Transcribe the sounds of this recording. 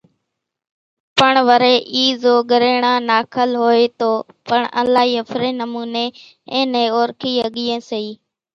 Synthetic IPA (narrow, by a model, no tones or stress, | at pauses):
pəɳʋəɾeːʔiːzoːɠəɾeːɳãːnaːkʰəlɦoːeːt̪oː | pəɳə̰nlaːɦiːəfɾẽːnəmuːneː | ẽːneːoːɾkʰiːəɠiːẽːsəiː